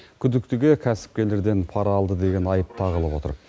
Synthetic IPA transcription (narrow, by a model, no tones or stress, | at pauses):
kʲʰʏd̪ɪkt̪ɪɡʲe̞kʲʰæsɪ̥p̚kʲe̞le̞ɾd̪e̞npʰɑɾɑːlˠd̪əd̪e̞ɡʲe̞nɑjəp̚t̪ʰɑʁəlˠəbwo̞t̪ə̰ɾ